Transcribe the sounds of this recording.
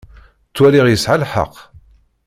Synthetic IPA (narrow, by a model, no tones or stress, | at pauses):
t͡sːwælɪʁjəsʕalħɑ̰qː